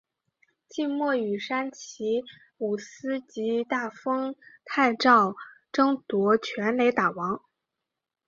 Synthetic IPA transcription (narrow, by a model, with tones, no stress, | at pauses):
t͡ɕi˥˧nmwɔ˥˩y˨˩ʂa˥nt͡ɕʰi˧˥ | u˨˩sɹ̩˥t͡ɕi˧˥t̪a˥˩fɤ˥ŋt̪ʰa˥˧ɪʈ͡ʂɑ˥˩ʊ | ʈ͡ʂɤ˥ŋt̪wɔ˧˥t͡ɕʰɥɛ˧˥nle˧˥ɪt̪a˨˩wɑ˧˥ŋ